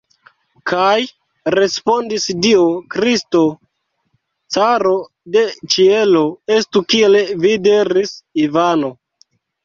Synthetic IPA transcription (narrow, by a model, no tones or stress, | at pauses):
kʰaj | ɾe̞spo̞ndisdiokɾisto̞ | t͡saɾo̞ | de̞t͡ʃie̞lo̞estukielvideɾisivano̞